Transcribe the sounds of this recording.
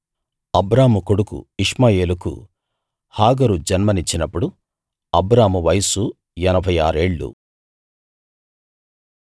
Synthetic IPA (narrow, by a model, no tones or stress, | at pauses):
ɐbɾaːmukoɽukṵiʂmaːje̞ːlukṵ | haːɡɐɾud͡ʒɐnmɐnit͡ʃːinɐpːuɽu | ɐbɾaːmuʋɐjsu | ɛnɐbʱɐjaːɾe̞ːɭːṵ